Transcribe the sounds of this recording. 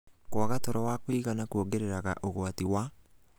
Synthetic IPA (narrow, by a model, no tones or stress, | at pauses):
kwaɣatɔɾɔwakwiɣanakwoɡeɾeɾaɣa̰ʔoɣwatiwa